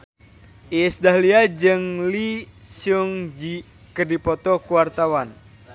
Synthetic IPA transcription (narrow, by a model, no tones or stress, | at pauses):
ʔiɛsdaɦliad͡ʒɨŋlisuŋd͡ʒi | kərdipɔt̪ɔkuwart̪awan